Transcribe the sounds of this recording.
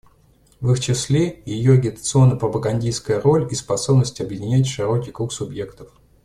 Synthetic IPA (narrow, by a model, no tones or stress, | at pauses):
vɨxt͡ɕɪslʲe̞jɪjoɐɡʲɪt̪ə̥t̪sɨo̞nːəpɾəpəɡɐnʲdʲijskəjəɾo̞lʲispɐso̞bnəsʲtʲɪɐbjɪdʲɪnʲætʲʂɨɾo̞kʲijkɾuksʊbje̞kt̪əf